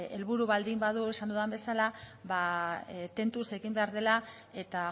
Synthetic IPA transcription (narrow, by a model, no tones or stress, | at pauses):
e̞̰lβuɾuβald̪imbaðuesand̪uðambe̞salaβat̪e̞nt̪use̞ɣimbe̞aɾðe̞la | e̞t̪a